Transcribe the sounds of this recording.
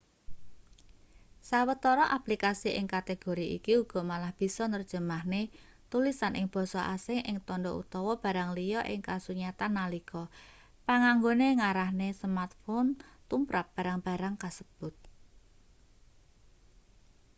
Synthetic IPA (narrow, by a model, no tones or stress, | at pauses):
sawət̪ɔɾɔʔaplikasiʔɪ̰ŋkat̪eɡ̥o̤ɾiʔḭkiuɡ̥ɔ̤malahb̥i̤sɔnərd̥ʒ̥ə̤mahne | t̪ulisanʔɪŋb̥ɔ̤sɔʔa̰sɪŋʔɪŋt̪ɔnɖɔʔṵt̪ɔwɔb̥ä̤ɾaŋlijɔʔɪ̰ŋkasuɲat̪anːalikɔ | paŋaŋɡoneŋaɾahnesəmart̪̚fɔnt̪umpɾap̚b̥a̤ɾaŋb̥a̤ɾaŋkasəb̥ʊt̪̚